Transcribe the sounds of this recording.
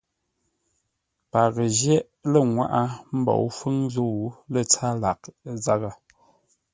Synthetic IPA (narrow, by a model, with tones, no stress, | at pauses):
pa˨ɣə˨ʒjɛ˦ʔ | lə˦˨ŋwa̰˦ʔa˦m̩˦bɔ̰˨ʔfə˦ŋzo˦˨wu˨˦lə˦˨t͡sa˦la˨kza˦ɣa˨